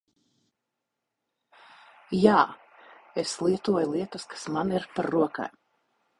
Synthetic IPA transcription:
jaː | eslˠiɛt̪uɔjulˠiɛt̪uskʰḁsmaniɾpaɾːuɔka̰j

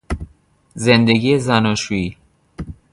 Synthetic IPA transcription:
zend̪eɡiezænɒʃui

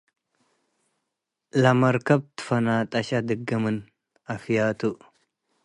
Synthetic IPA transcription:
lɐmɐɾkʰɐb̚t̪ʰɨ̥fɐnat̪ʼɐɕad̪ɨɡɐmɨn | afijat̪ʰuʔ

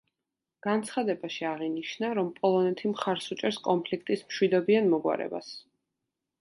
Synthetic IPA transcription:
ɡ̥ant̪sʰχad̪ɛbaʃiaʁiniʃnaɾɔmpʼɔlˠɔnɛt̪ʰimχaɾsut͡ʃʼɛɾskʼɔmpʰlikʰt̪ʼismʃwid̪ɔbianmɔɡwa̰ɾɛ̰ba̰s

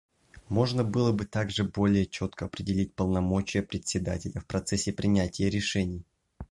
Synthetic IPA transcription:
mo̞ʐnəbɨlˠəbɨt̪aɡʐɨbo̞lʲɪjət͡ɕo̞t̪kəɐpɾʲɪdʲɪlʲit̚ʲpəlˠnɐmot͡ɕɪjəpɾʲɪt̪ʲsʲɪd̪a̰tʲɪlʲəfpɾɐt̪sɛsʲːɪpɾʲɪnʲætʲɪjəɾʲɪʂɛnʲɪj

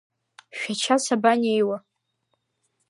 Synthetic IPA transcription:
ʃᶣat͡ʃʰasabanejwa

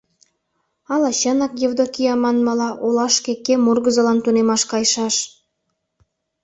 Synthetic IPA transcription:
ɑlɑɕənɑkjevd̪okʲijɑmɑnmɑlɑʔolɑʃkekemurɡəzə̆lɑnt̪unemɑʃkɑjʃɑʃ

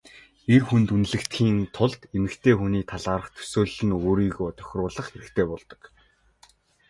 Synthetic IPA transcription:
erxunt̪unɮɘ̆kt̪xiːnt̪ʰʊɮt̪emɘ̆kt̪ʰeːxuniːt̪ʰaɮaːɾə̆χt̪ʰɵ̥soːɮɘ̆noːɾiːɣoːt̪œ̥xʲrʊːɮə̆χxeɾɘ̆kt̪ʰeːpɔɮt̪ɞ̥̆k

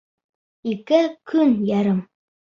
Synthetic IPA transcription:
ikɘkʰɵnjæɾɤm

